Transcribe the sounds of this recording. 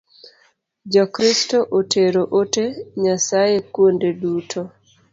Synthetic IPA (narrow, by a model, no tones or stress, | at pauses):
d͡ʒɔkɾistoʔotʰeɾoʔoteɲasajekwondedutʰo